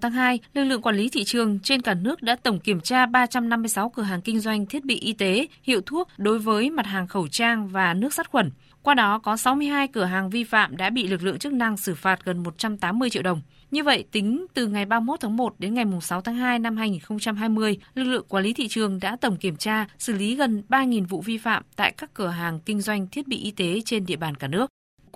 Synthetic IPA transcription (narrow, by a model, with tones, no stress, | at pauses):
t̪ʰaː˨˦ŋɦaː˧jlɨ˨˩k̚lɨ̰˧˨əŋkwaː˧˩li˨˦t̪ʰḭ˧˨t͡ɕɨ˨˩əŋt͡ɕe˧nkaː˧˩nɨ˦˥ək̚ɗa̰ː˧˥t̪ə˧˩wŋ͡mki˧˩əmt͡ɕaː˧ɓaː˧t͡ɕa˧mna˧mːɨ˧əjsa˨˦wkɨ˧˩əɦaː˨˩ŋkï˧ŋ̟zwa˧jŋ̟t̪ʰi˦˥ət̚ɓḭ˧˨ʔi˧t̪e˨˦hḭ˧˨əwt̪ʰu˦˥ək̚ɗo˨˦jvəː˨˦jma˨˩t̚haː˨˩ŋxə˧˩wt͡ɕaː˧ŋvaː˨˩nɨ˦˥ək̚sa˦˥t̚xwə˧˩n | kwaː˧ɗɔ˨˦kɔ˨˦sa˨˦wmɨ˧əjɦaː˧jkɨ˧˩əɦaː˨˩ŋvi˧fa̰ː˧˨mɗa̰ː˧˥ɓḭ˧˨lɨ˨˩k̚lɨ̰˧˨əŋt͡ɕɨ˦˥k̚na˧ŋsɨ˧˩faː˨˩t̚ɣə˨˩nmo˨˩t̚t͡ɕa˧mt̪aː˨˦mːɨ˧ət͡ɕḭ˧˨wɗə˨˩wŋ͡m | ɲɨ˧və̰˧˨jt̪ï˨˦ŋ̟t̪ɨ˨˩ŋa˨˩jɓaː˧mo˦˥t̚t̪ʰaː˨˦ŋmo˨˩t̚ɗe˨˦nŋa˨˩jmʊ˨˩ŋ͡msa˨˦wt̪ʰaː˨˦ŋɦaː˧jna˧mhaː˧jŋi˨˩nxə˧wŋ͡mt͡ɕa˧mɦaː˧jmɨ˧əjlɨ˨˩k̚lɨ̰˧˨əŋkwaː˨˦li˨˦t̪ʰḭ˧˨t͡ɕɨ˨˩əŋɗa̰ː˧˥t̪ə˧˩ŋ͡mki˧˩əmt͡ɕaː˧sɨ˧˩li˨˦ɣə˨˩nɓaː˧ŋi˨˩nvṵ˧˨vi˧fa̰ː˧˨mt̪a̰ː˧˨jkaː˦˥kːɨː˧˩əɦaː˨˩ŋkï˧ŋ̟zwa˧jŋ̟t̪ʰi˦˥ət̚ɓḭ˧ʔi˧t̪e˨˦t͡ɕe˧nɗḭ˧˨əɓaː˨˩nkaː˧˩nɨ˦˥ək̚